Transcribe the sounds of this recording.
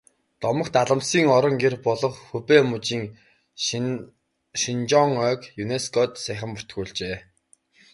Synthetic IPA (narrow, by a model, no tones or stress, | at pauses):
t̪ɔmə̆kt̪aɮə̆msiːŋɔɾɞ̆ŋɡerpɔɮɞ̆χxɵpeːmut͡ɕiːŋ | ʃint͡ɕɔŋœːkjuneskʰɔt̪sæːχə̆mpu̥t̪ɡuːɮt͡ɕeː